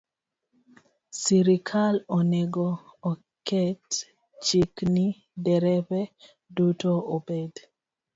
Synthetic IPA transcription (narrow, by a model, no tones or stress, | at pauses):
siɾikʰalɔneɡɔː | kɛt | t͡ʃikni | dɛɾɛpɛ | dutoobed